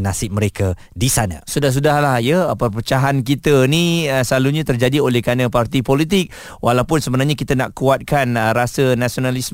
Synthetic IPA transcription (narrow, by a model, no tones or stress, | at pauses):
nasɪp̚məɾeka | disanã̰sudahs̬udaɦlahjapəpət͡ʃaɦank̬it̪ənisəlaluɲat̪ərd͡ʒadiolɛhkanãpart̪ipolit̪̬ɪk̚ | wʔalawpʊnsəbənarɲakit̪ənaʔkuat̪̚kanɾasənasionalis